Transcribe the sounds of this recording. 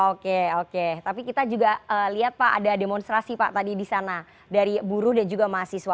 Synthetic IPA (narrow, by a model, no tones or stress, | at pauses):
okeoket̪apikit̪ad͡ʒuɡaəliɦat̪̚paʔa̰dademɔnst̪ɾasipaʔt̪adidisana | daɾibuɾʊhdand͡ʒuɡamaɦasisua